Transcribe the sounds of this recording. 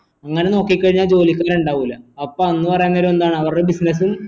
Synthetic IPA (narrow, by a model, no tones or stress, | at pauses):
ɐŋːɐneno̞ːkːikʲːɐɻiɲːaːld͡ʑo̞ːlikʲːaːɾuɳɖaːʋulːɐɐpːoːɐnːupɐrɐjunːɐɾume̞nd̪aːɳɨɐʋɐrɖebisnɐs̬um